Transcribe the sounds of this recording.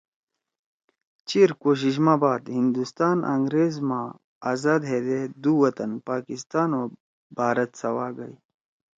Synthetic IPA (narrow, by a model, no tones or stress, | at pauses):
t͡ɕiɾkoːɕ̬iɕ̬mãːbaːd̪hind̪ust̪aːnʔɐ̰ŋɡɾeːzmã | aːzaːd̪ɦeːd̪ed̪uwɐt̪ɐnpaːkist̪aːnoː | baːɾɐt̪sɐwaːɡɐi